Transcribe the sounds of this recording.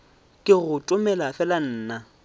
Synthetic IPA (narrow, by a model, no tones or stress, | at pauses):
kʼɪɣʊtʼʊmɛlafɛlan̩ːna